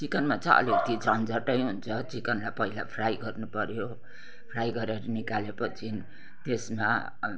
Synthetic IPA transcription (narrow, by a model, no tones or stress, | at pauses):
t͡sikʌnmat͡sʌʌ̰lit̪id͡zʌnd͡zʌʈʌjɦunt͡sʰʌt͡sikʌnlapʌɦila̰pʰrajɡʌrnupʌɾjo | pʰrajɡʌɾeɾʌnikalepʌt͡sʰi | t̪esma